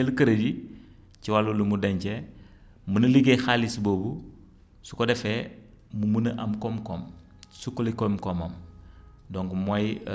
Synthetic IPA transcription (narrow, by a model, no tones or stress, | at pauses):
elkəɾədi | ciwalulumudeɲce | munɐliɡexalisboːbu | su̥kodɛfe | mumunɐʔamkɔmkɔm | sukulikɔmkomɐm | dɔŋɡmuaj